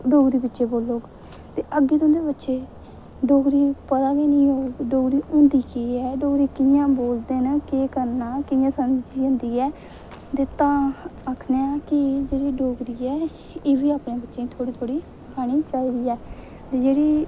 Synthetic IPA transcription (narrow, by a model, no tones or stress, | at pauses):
ɖoːɡɾiːbɪtːʃeːboːlːoːɡ | t̪eːʔəɡːiːt̪õːnd̪eːbətːʃeː | ɖoːɡɾiːpət̪aːɡeːnĩːɦoːɡɖoːɡɾiːʊ̃nd̪iːkeːɛːɖoːɡɾiːkɪjãːboːld̪eːnakeːkəɾnaːkɪjãːsəmd͡ʒiːõːnd̪iːɛː | t̪et̪ãːaːkʰneãːkɪd͡ʒeːɽiːɖoːɡɾiːɛː | eːʋiːaːpɳẽːbətːʃeːĩt̪ʰoːɽiːt̪ʰoːɽiː | kaːɽ̃iːt͡ʃaːiːd̪iːɛː | t̪eːd͡ʒeːɽiː